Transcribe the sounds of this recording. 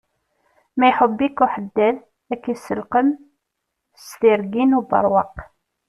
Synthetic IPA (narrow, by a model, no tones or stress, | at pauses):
mæjħəbːikuħəd̪ːæð | ækːisəlqəm | st̪iɾɡinubɑ̰ɾˤwɑq